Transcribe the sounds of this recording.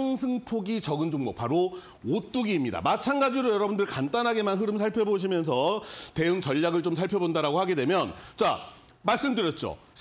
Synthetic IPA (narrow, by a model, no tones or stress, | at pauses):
ŋsʰɯŋpʰoɡit͡ɕʌɡɯnd͡ʑoŋmʌk̚paɾo | ot͈uɡiːmɲida̰mat͡ɕʰanɡad͡ʑiɾojʌɾʌbundɯɭkant͈anɦaɡe̞manɦɯɾɯmsʰaɭpʰjʌboɕ̬ʰimjʌns̬ʰʌte̞uŋt͡ɕʌʎːaɡɯɭt͡ɕomsʰaɭpʰjʌbondaɾaɡohaɡe̞dwe̞mjʌnt͡ɕa | maɭs͈ɯmdɯɾjʌt̚t͡ɕ͈o̰ | s